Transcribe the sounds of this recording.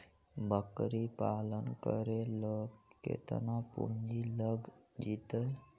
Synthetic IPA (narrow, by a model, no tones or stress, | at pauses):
bəkɾipalənkəɾeləkḛt̪ənapṵnd͡ʒiləɡd͡ʒit̪əj